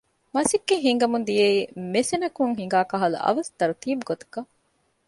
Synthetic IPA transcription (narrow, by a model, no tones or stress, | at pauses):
mɐsikːeɦiŋɡɐmund̪ijeiːmesenɐkuŋɦiŋ̆ɡaːkɐɦɐlṵʔɐ̰ʋɐsd̪ɐɾut̪iːbuɡot̪ɐ̥kɐ